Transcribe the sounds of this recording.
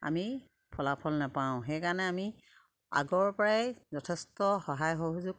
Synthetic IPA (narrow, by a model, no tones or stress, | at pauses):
a̰mi | pʰɔlapʰɔlnapãʊ̃xejkaɹnɛami | a̰ɡɔɹpɔɹajzɔtʰɛstɔxɔɦajxoɦuzʊɡ̚